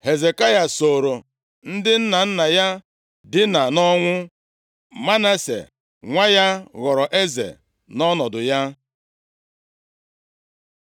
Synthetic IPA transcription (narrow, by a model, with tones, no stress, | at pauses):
he˨ze˨ka˦ja˨so˨ɾo˨ | n̩˦dɪ˦n̩˦na˨n̩˦na˨ja˦ | dɪ˦na˨nɔ˦ŋʷʊ˦ | ma˦na˦sḛ˨ | ŋʷa˦ja˦ɣɔ˨ɾɔ˨ʔe˦zḛ˨ | nɔ˦nɔ˨dʊ˨ja˦